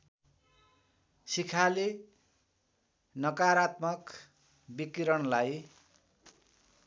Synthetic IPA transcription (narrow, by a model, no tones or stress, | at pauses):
sikʰale | nʌkaɾat̪mʌk | bikiɾʌnlaj